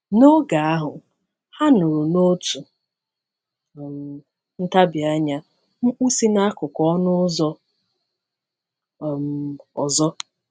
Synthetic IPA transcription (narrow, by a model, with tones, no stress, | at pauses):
no˦ɡa˨a˦ɦʊ˨ | ha˦no˨ɾo˨no˦tu˨ | m̩˨ | n̩˦ta˦bɪ˨a˦ɲa˦ | ŋ̩˦k͡pu˦si˦na˦kʊ˨kɔ˦nʊ˦zɔ˦˨ | m̩˨ɔ˨zɔ˦